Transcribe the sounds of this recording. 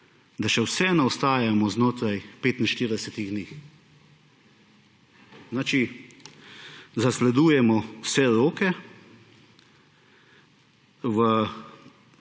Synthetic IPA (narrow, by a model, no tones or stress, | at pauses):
d̪aʃɛwsɛnaɔst̪aːjamɔznoːt̪ɾajpeːt̪inʃt̪iːɾd̪ɛsɛt̪iɣd̪niːx | znaːt͡ʃi | zaslɛd̪uːjɛmɔwsɛɾoːkɛ | ʋə